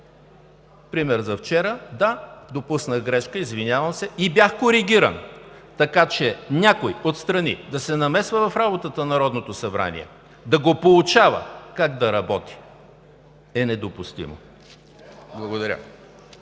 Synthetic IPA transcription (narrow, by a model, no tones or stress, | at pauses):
pɾimɛɾzɐft͡ʃɛɾəd̪ad̪opusnəɣɡɾɛʃkəizvinʲjavɐmsɛibʲjaxkoɾiɡʲiɾə̰nt̪ɐkat͡ʃɛnʲakojot̪st̪ɾɐnḭd̪ɐsɛnɐmɛsvəvɐfɾabot̪ət̪ənɐɾɔd̪not̪osɐbɾa̰nḭɛ̰ | d̪ɐɡopolˠut͡ʃavə̰kaɡd̪ɐɾɐbɔt̪i̥ | ɛnɛd̪opust̪ḭmo̰ | blˠɐɡod̪ɐɾʲə̰